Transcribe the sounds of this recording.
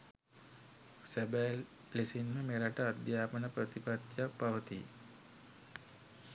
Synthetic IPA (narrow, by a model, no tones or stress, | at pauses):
sæbælː | isinməmeɾaʈəad̪jaːpənəpɾət̪ipat̪jak̚paʋət̪i